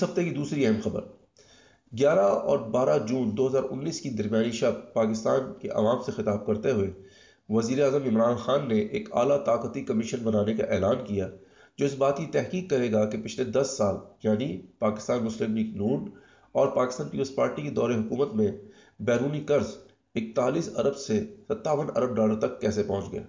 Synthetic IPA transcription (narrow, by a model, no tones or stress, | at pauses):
ɪsɦɐft̪ekid̪uːsɾiɛɦɛmxɐbə̰ɾ | ɡjaːɾaɔ̰ːɾbaːɾad͡ʒũːnd̪oːɦɐzaːɾʔʊ̰nːiːskid̪ɐɾmjaːniʃɐbpaːkɪst̪a̰ːnkeʔɐ̰ʋaːmsexɪt̪aːb̚kɐɾt̪eɦʊe | ʋɐziːɾeaːzəmɪmɾaːnxaːnːeʔeːkʰa̰ːlat̪aːqət̪ikɐmɪʃənbɐnaːneka̰ʔɛːlaːnkija | d͡ʒoːɪsbaːt̪kit̪ɛɦkiːkːɐɾeːɡakepɪt͡ʃʰled̪ɐsːaːljaːnipaːkɪst̪aːnmʊslɪmniːknuːn | ɔːɾpaːkɪst̪aːnpiːpəlspaːɾʈiked̪ɔːɾeɦʊkuːmət̪mẽ | bɛːɾuːnikɐɾz | ɪk̚t̪aːliːsɐɾəbsesɐt̪ːaːʋənɐ̰ɾəb̚ɖaːləɾt̪ɐkːɛːsepɐ̃ɦʊ̃t͡ʃɡɐḛː